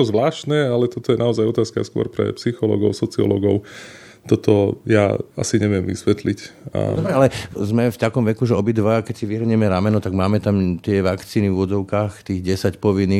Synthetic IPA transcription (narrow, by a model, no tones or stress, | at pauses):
ɔzʋlaːʃnɛːalɛt̪ɔt̪ɔjɛnaɔzajɔt̪aːskaa̰skʊɔ̰ɾpɾɛ̰psixɔlɔ̰ɡɔʊsɔt͡siɔ̰lɔ̰ɡɔʊ | t̪ɔt̪ɔja̰a̰siɲɛʋɪɛmʋḭsʋɛt̪lica̰d̪ɔbɾɛalɛzmɛft̪akɔmʋɛkuʒɛɔbid̪ʋakɛcsiʋiɦr̩ɲɛmɛɾaːmɛnɔt̪aɡmaːmɛt̪amt̪ɪɛʋakt͡siːnivʊɔd̪d͡zɔʊkaːxt̪iːɣɟɛsacpɔʋinːi